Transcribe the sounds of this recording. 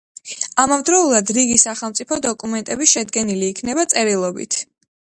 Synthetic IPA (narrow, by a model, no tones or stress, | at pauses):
amɔvd̪ɾɔulˠad̪ɾiɡisaχɛlˠt̪sʼipʰɔd̪ɔkʼumɛnt̪ʼɛbiʃɛd̪ɡɛniliːkʰnɛbat̪sʼɛɾilˠɔbḭt̪ʰ